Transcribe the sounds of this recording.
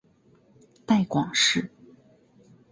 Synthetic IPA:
t̪a˥˩ɪkwɑ˨˩ŋʂɻ̩˥˩

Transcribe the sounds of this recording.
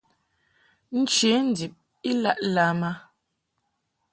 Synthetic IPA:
n̩˦t͡ʃe˨˦n̩˨di˨p̚ | i˦la˦ʔla˨˦ma˦

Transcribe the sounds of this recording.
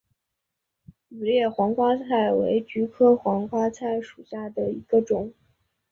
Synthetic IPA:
u˨˩ljɛ˥˩xwɑ˧˥ŋkwa˥t͡sʰa˥˩ɪwe˧˥ɪt͡ɕy˧˥kʰɤ˥xwɑ˧˥ŋkwa˥t͡sʰa˥˩ɪʂu˨˩ɕja˥˩d̪ə˩i˧˥ɡ̥ə˧ʈ͡ʂʊ˨˩˦ŋ

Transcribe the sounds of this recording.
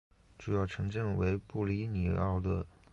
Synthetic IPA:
ʈ͡ʂu˥˧jɑ˥˩ʊʈ͡ʂʰɤ˧˥ŋʈ͡ʂɤ˥˩ŋwe˧˥ɪpu˥˩li˧˥ni˨˩ɑ̰˥˩ʊd̪ə˩

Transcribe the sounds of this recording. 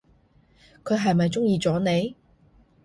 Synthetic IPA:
kʰɵ˨˧ɥɦɐ˨jmɐ˨jt͡sʊ˥ŋjiː˧t͡sɔː˨˥ne˨˧j

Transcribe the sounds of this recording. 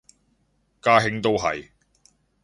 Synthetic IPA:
kaː˥ɦɪ˥ŋt̪o˥wɦɐ̰˨j

